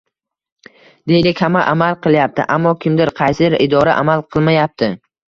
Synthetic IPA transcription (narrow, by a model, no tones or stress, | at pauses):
d̪̥e̞jlɪkʲhamaʔamalˠqʰɨlˠjap̚t̪ʰɪ̰ʔamːɒkʲʰɪmd̪ɪɾqʰɑjsɪɪɾɪd̪ɒɾaʔa̰malˠqʰɨlˠmajap̚t̪ʰɪ